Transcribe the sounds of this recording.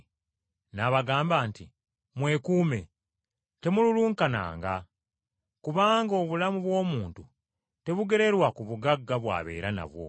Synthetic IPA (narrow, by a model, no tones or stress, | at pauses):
naβaɡaːmbaːnti | mwe̞kuːme̞ | te̞mululuːŋkana̰ːŋɡa | kuβaːŋɡo̞ːβulamuβwo̞ːmuːntu | te̞βuɡe̞ɾe̞ɾwakuβuɡaɡːaβwa̰ːβe̞̰ːɾana̰βwo̞̰